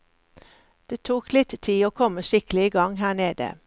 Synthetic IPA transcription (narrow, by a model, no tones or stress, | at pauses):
d̪̥eːt̪ʰuːklɪt̪t̪ʰiːoːkʰɔməʃɪklɪɡɑŋhæːneːd̪ə̰